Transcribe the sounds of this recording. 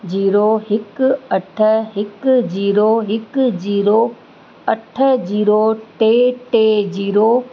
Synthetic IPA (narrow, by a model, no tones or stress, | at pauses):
d͡ʑiːɾoːɦɪkɐʈʰəɦɪkd͡ʑiːɾoːɦɪkd͡ʑiːɾo | ɐʈʰə̆d͡ʑiːɾoʈeːʈeːd͡ʑiːɾoː